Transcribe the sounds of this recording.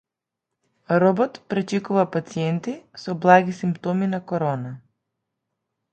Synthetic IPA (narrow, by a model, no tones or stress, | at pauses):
ɾɔbɔt̪pɾɛt͡ʃikuvapat̪siɛnt̪isɔblˠaɡisimpt̪ɔminakɔɾɔna